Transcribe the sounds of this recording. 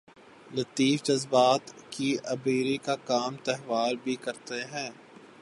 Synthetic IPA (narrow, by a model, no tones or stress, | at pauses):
lɐt̪iːfd͡ʒɐzbaːt̪kiɐbiːɾikakaːmt̪ɛɦʋaːlbʱikɐɾt̪eɦɛ̃ː